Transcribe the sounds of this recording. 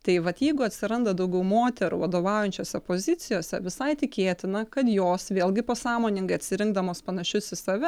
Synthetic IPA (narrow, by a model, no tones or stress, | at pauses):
t̪ɐɪʋɐt̪jɛɪɡʊɐt̪ʲsʲɪɾɐnd̪ɐd̪ɐʊɡʲɛʊmoːt̪ʲɛɾṵʋɐd̪oːʋɑʊjɛnʲt͡ʃʲoːsʲɛpoːzʲɪt̪sʲɪjoːsʲɛʋʲɪsɐɪt̪ʲɪkʲeːt̪ʲɪnɐkɐt̪joːsʋʲeːlʲˠɡʲɪpoːsɑːmoːnʲɪŋɡɐɪɐt̪ʲsʲɪɾʲɪŋɡd̪ɐmoːspɐnɐʃʲʊsɪsɐʋʲɛ